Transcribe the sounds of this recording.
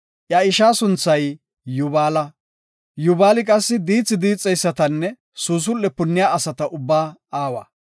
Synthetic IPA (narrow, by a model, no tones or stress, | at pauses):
ʔjɐɪʃaːsʊnt͡sːɐj | jʊbaːlɐ | jʊbaːlɪkʼɐsːɪd̪iːt͡sːɪd̪iːt͡sʼːɛjsːɐt̪ɐnːɛ | suːs̬ʊlːɛpʊnːɪjaːɐsɐt̪ɐʔʊbːaːaːwa̰